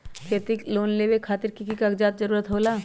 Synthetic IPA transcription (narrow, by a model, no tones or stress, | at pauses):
kʰeːt̪ɪkloːnleːʋekʰaːt̪ɪɾkikikaɡd͡ʒaːt̪d͡ʒəɾuːɾət̪ɦoːlaː